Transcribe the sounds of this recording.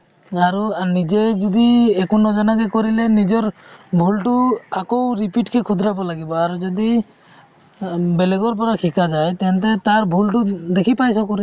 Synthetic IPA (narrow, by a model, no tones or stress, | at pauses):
aɾunid͡ʒed͡ʒud̪iekunɔd͡ʒanakekɔɾilenid͡ʒɔɾbʱulʈuakowɾipiʈkekʰud̪ʱɾabɔlaɡibɔaɾud͡ʒɔd̪i | beleɡɔɾp̬ɔɾakʰikad͡ʒajt̪ɛnt̪ɛt̪aɾbʱulʈud̪ekʰipajsɔkuɾi